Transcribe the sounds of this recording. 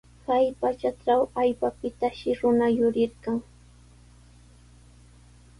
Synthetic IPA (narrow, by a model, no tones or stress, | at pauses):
kajpat͡ʃaʈ͡ʂawaʎpapɪt̪aʃɪɾʊnajʊɾɪɾkaŋ